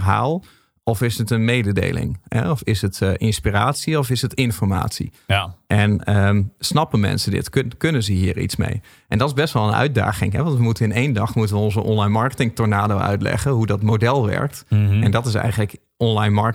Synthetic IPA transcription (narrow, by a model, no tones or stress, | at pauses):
rɦa̰ːlˠ | ɔfɪsətənmeːdədḛjlɪ̰ŋɦɛ̰ɔfɪsətʔɪnspiraːtsiɔfɪsətɪnfɔrma̰ːtsḭ | ʔɛnəsnɑpənmɛ̰nsədɪ̰tkkɵnənzəɦiːərḭtsmḛj | ʔɛndɔtɪzbɛstʋɔlˠənœ̰ɥt̚da̰ːɣɪ̰ŋɦɛʋɑ̃ntʋəmutəɪneːndɑxmutənʋəʊnzəʔɔnlajnmɑɹkətɪŋtɔɹnaːdowœ̰ɥtlɛ̰ɣəɦudɔtmowdɛlˠʋɛ̰ɹk̚tɛndɔtɪs̬ɛ̰jɣənlək | ɔnlajnmɑɹ